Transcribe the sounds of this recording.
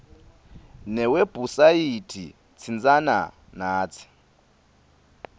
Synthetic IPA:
nɛweb̥ʱusajitʰḭ | t͡sʰind͡zana̰ | naːt͡sʰi̥

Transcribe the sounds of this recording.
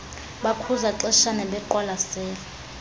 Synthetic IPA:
ɓakʰuzaǀɛʃanɛɓɛǃɔlasɛːlɛ

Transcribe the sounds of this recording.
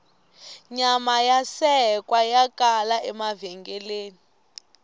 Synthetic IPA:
ɲamajasɛkʼwajakalaɛmavɛŋɡɛleːni

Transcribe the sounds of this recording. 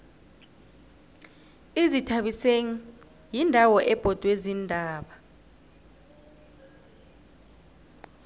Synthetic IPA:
izitʰaɓiseŋ̩ | jindʱawɔʔɛb̥ʱɔd̥ʱwezindʱaːɓa

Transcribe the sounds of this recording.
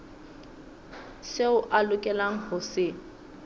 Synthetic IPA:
seʊʔalʊkʼɛlaŋ̩hʊsɪ

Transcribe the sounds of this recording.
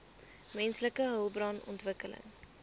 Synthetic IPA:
mɛnsləkəɦəlˠbrɑːnɔ̰ntvəkələ̰ŋ

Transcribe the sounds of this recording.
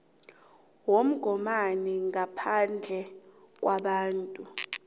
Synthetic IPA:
wom̩ɡ̥ʱɔmaniŋapʰand͡ɮʱɛ | k̬waɓaːntʼu

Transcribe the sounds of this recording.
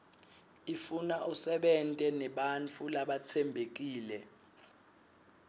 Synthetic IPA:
ifunaʔusɛɓɛntʼɛnɛɓant͡fʰulaɓat͡sʰɛmbʱek̬iːlɛ

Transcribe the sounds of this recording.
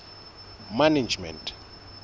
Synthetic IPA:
manad͡ʒmɛ̰̃ntʰʼ

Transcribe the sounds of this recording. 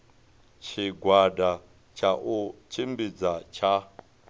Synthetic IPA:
t͡ʃʰiɡʱwada | t͡ʃʰaʔut͡ʃʰimbid͡zat͡ʃʰa

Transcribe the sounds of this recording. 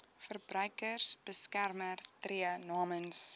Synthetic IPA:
fərbrœɥkərsb̥əskærmərtriənɑːməns

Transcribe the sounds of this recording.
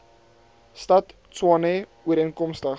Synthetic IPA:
stɐt | t͡swɑne | uəɾənkɔmstəχ

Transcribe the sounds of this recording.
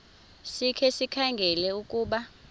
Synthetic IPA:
sikʰɛsikʰaŋɡʱɛlɛukʼuːɓa

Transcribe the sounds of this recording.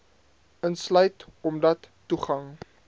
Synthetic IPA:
ənslœɥtɔmdɐtːuχɐŋ

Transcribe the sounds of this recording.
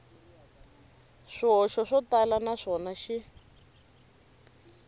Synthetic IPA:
ʂɔʃɔʂɔtalanaʂɔnaʃi

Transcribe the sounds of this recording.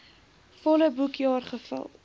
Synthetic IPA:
fɔləbukjɑːrχəfə̰lˠ

